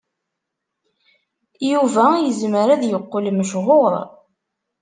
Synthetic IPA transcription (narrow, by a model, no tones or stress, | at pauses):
juvæjəzməɾæðjəqːolməʃʁoɾˤ